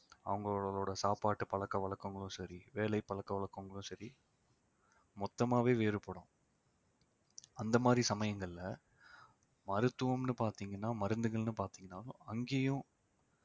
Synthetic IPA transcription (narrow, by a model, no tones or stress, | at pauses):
ɐ̰ʋɐŋɡɐɭɭɭoːɽɐsaːpaːʈːɯpɐɭɐkːɐʋɐɭɐkːɯŋɡɐɭʊ̃sɐɾiʋeːɭɐɪpːɐɭɐkːɐʋɐɭɐkːɯŋɡɐɭʊ̃sɐɾi | mɔt̪ːɐmaːʋeːʋeːɾɯpːɐɽʊ̰̃ː | ɐnd̪ɐmaːd̪ɾisɐmɐjɐŋɡɐɭɪlɐ | mɐɾɯt̪ːɯʋɐmnɯpaːɾt̪iːŋɡɐnːaːmɐɾɯnd̪ɯɣɐɭnɯpaːɾt̪iːŋɡɐnaːlʊ̰̃ɐŋɡeːjʊ̃